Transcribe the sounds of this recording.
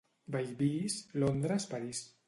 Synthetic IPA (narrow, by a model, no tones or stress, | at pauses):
bajbislond̪ɾaspaɾis